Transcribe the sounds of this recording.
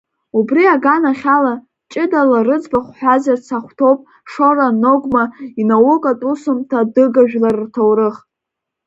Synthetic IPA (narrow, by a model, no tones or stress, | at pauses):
ubriaɡanaχʲala | t͡ʃʼɪdalarɨd͡zbaχʷħʷᶣazart͡sʰaχʷtʰo̞wpʼ | ʂo̞ɾano̞ɡʷmainawʊkʼatʼusʊmtʰadɨɡaʒᶣlarːtʰowrɨχ